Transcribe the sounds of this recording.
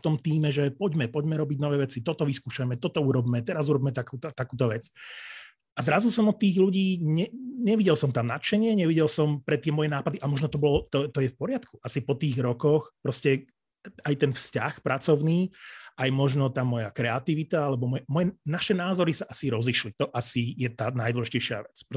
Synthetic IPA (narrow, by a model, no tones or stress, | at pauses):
ft̪ɔmt̪iːmɛʒɛpɔɟmɛpɔɟmɛɾɔbiɟnɔʋɛːʋɛt͡sit̪ɔt̪ɔʋiskuːʃajmɛt̪ɔt̪ɔuɾɔbmɛt̪ɛɾazuɾɔbiːmɛt̪akuːt̪ɔt̪akuːt̪ɔʋɛt͡s | azɾazusɔmɔt̪ːiːɣluɟiːɲɛɲɛʋiɟɛlsɔmt̪amnat͡ʃɛɲɪɛɲɛʋiɟɛlsɔmpɾɛt̪ɪɛmɔjɛnaːpad̪iʔamɔʒnɔt̪ɔbɔlɔt̪ɔt̪ɔjɛfpɔɾɪat̪kuʔasipɔt̪iːɣɾɔkɔxpɾɔscɛ | ajt̪ɛnfsca̰xpɾʔat͡sɔʊniːʔajmɔʒnɔt̪aːmɔjakɾɛat̪iʋit̪aalɛbɔmɔjɛmɔjɛnaʃɛnaːzɔɾisaʔasiɾɔzliʃlit̪ɔʔasijɛt̪aːnajd̪wɔlɛʒicɛjʃɪa̰ʋɛt͡sp